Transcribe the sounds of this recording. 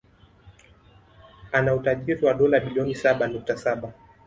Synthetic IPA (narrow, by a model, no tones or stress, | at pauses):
anautaʄiɾiwaɗɔlaɓiliɔnisaɓanuk̚tasaɓa